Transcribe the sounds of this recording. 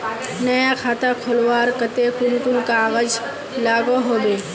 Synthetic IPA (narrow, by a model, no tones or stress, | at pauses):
nəjakʰaːt̪ʰakʰolwaːɾkət̪ekʊnʈunkaɣəd͡ʒ | laːɡoɦoːbeː